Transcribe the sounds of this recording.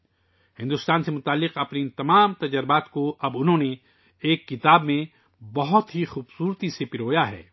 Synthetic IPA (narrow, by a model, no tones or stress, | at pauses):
hɪ̃nd̪ʊst̪aːnsemʊt̪aːlːɪqɐpnit̪ɐmaːmt̪ɐd͡ʒəɾɪbaːt̪koɐbʊnɦõːne | eːkːɪt̪aːbmẽ | bɐɦʊt̪ɦixuːbsuːɾt̪isepɪɾoːjaɦɛ̰ː